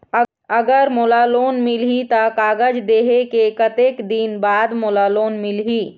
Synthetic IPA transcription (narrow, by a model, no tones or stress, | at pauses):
ɐɡəɾmoːlaːloːnmɪlɦit̪akaːɡəd͡ʒd̪eːɦekekɐt̪eːkd̪iːnbaːd̪moːlaːloːnmɪlɦiː